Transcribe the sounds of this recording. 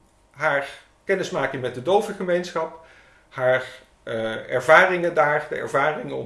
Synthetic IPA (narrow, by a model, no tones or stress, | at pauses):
ɦaːɹ | kɛnɪsmaːkɪŋmɛt̚dədowvəχəmejnsχɑp | ɦaːɹ | ɛ̰ɹvaːrɪŋəndaːɹdəɛ̰ɹvaːrɪŋəɔ̰